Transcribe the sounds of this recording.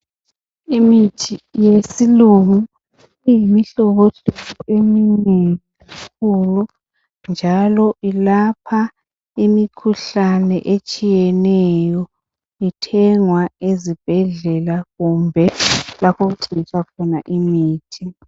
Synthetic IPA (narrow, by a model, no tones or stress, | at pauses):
imitʰijesiluŋu | ijimiɬɔɣoɬuueminɛ | k̚ʰulu | nd͡ʒʱalɔʔilapʰa | imikʰuɬanɛʔet͡ʃʼijɛnɛjɔ | itʰɛŋwaezib̥ʱɛɮɛlaɣumbʱɛlapʰoɣuǀiit͡ʃʰʼwakʰɔna̰ʔimiːtʰi